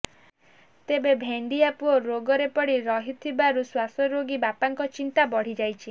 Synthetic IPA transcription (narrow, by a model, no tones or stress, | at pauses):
t̪ebebʱeɳɖiapuoɾoɡɔɾepɔɽiɾɔɦit̪ʰibaɾuswasɔɾoɡibapaŋkɔt͡ʃint̪abɔɽ̤id͡ʒajt͡ʃʰi